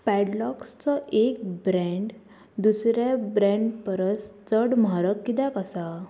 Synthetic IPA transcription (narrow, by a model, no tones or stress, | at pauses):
pɛɽlɔkst͡sɔʔek̚bɾɛ̃ɳɖ | d̪usɾjabɾɛ̃ɳɖpəɾəst͡səɽmaɾəkːit̪akəsa